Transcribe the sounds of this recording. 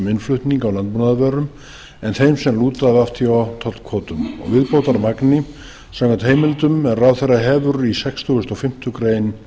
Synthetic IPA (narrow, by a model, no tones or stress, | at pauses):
mɪnflʏht̪niŋkawlant̪munaðvɛːɾʏm | ɛnθejmsɛmluːt̪aðaft̪ʰiɔt̪ʰɔt̪kʰvɔːt̪ʏmɔ̰ɣvɪðpowt̪aɾmaknɪ | sawkant̪heːjmɪlt̪ʏmɛnraːwθeraɦɛːvʏɾisɛkst̪ʰʏɣʏst̪ɔfɪm̥t̪ʏkɾeːjn